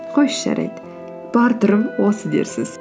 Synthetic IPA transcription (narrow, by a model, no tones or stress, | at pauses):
qʰojʃʒɑ̰ɾʔɑ̰jd̪ə | b̥ɑɾt̪ʊɾəpwosəd̪e̞̰ɾsɪz̥